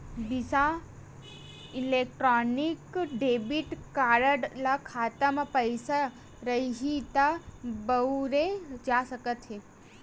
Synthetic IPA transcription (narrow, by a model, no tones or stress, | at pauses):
bisa | ilek̚ʈɾɔːnikɖebiʈkaːɾəɖlakʰaːt̪əmapəjsa | ɾəiɦit̪abəɾed͡ʒasəkət̪ɦe